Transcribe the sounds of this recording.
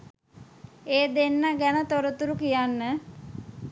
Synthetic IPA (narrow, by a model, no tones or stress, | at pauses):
eːd̪enːaɡænət̪oɾət̪uɾukijanːə